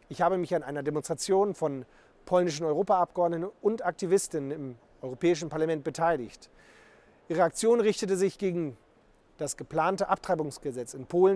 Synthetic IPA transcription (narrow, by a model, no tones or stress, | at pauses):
ʔɪçhaːbəmɪçanʔaɪnɐdemɔnstʁ̥at͡sjoːnfɔn | pʰɔlnɪʃ̬n̩ɔʏʁ̞oːpaap̚ɡ̥əɔɐdnətnʊntʔak̚tivɪstɪnənɪm | ʔɔʏʁopɛːɪʃ̬n̩paɐlamɛnt̚b̥ətʰaɪlɪ̰çt | diːʁeak̚t͡sjoːnʁɪçtətəzɪçɡ̥eːɡŋ̩ | d̥asɡ̥əpl̥aːntəʔap̚tʁ̥aɪbʊŋsɡ̥əzɛt͡sɪnpʰoːlən